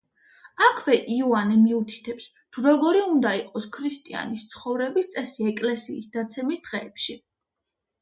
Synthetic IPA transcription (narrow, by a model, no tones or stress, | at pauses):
akʰvɛʔiɔanɛmiut̪ʰi̥t̪ʰɛps | t̪ʰuɾɔɡɔɾiund̪aiqʼɔskʰɾist̪ʼia̰nist̪sʰχɔvɾɛbist̪sʼɛsiɛkʼlɛsiːsd̪̥at̪sʰɛmisd̪̥ʁɛːpʃi